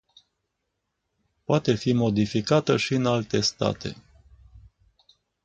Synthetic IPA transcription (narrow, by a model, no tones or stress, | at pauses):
poat̪e̞fimo̞d̪ifikat̪əʃiɨnalt̪e̞st̪a̰t̪ʰe̞̰